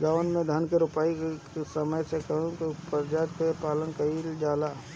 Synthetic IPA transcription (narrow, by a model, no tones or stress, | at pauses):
ɡaʋənmẽd̪ʱənkeɾʊpaːikkesəməjsekɐɦũkipəɾd͡ʒaːt̪kepaːlənkɐild͡ʒaːlaː